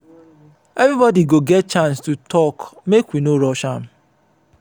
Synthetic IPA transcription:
evibɔdiɡoɡɛt̚t͡ʃãnstutʰɔkmekʷinoɾɔʃam̩

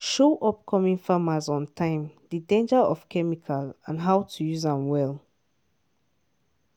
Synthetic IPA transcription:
ʃoʔɔp̚kʰɔmĩŋfamazɔ̃ntʰãɪ̃mdədẽnd͡ʒaɹʔɔfkʰɛmikʰalãnɦaʊtʰujuzãmwɛl

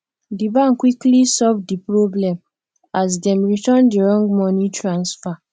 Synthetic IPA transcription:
dibãnkwiklisɔvdipɹoblɛ̃m | as̬dɛ̃mɹitɜ̃ndiɹɔ̃ŋɡmɔnitɹãnsfa

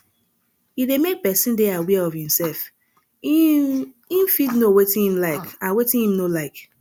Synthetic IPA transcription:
hidemek̚pɛsĩndɛawɛɔvhĩmsɛlf | ĩnfidnowetĩnhĩmlaɪkãnwetĩnhĩmnolaɪk

